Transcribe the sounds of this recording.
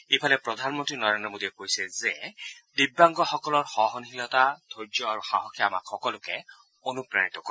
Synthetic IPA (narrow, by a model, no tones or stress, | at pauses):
epʰalɛpɹɔdʱanmɔntɹinɔɹendɹɔmodiɛkojsɛzɛdibːaŋɡɔxɔkɔlɔɹxɔɦɔnɦilɔtatʰojd͡ʒɔaɹuxaɦɔkʰiaama̰kxɔkɔlʊkɛ | onupɹa̰nitɔkɔ